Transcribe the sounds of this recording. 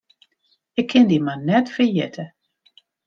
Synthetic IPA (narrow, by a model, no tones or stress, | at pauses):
ɪkʰːɪndimannɛtfəjɪtʰə